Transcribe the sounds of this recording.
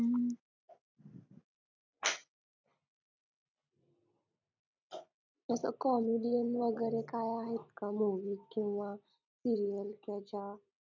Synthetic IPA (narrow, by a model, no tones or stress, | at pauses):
əsə̰kɔmiɖijənʋəɡəɾekajaɦet̪kamuʋikĩw̃ʋa | siɾijəlkɛd͡ʑa